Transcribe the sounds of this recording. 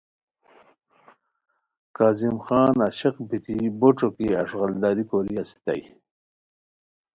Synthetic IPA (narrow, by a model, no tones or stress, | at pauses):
kaːzimxɑːnaɕɐqbit̪iboʈ͡ʂokiaʂɣald̪aːɾikoɾiasi̥t̪a̰j